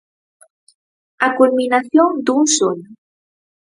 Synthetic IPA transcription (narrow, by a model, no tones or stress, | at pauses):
akulminaθjoŋd̪uŋson